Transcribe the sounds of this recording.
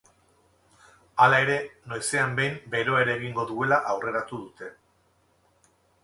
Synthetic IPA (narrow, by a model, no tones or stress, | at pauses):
alae̞ɾe̞nojse̞ambe̞jmbe̞ɾo̞eɾeɣ̞iŋɡo̞ðue̞laʔawre̞ɾat̪uðut̪e̞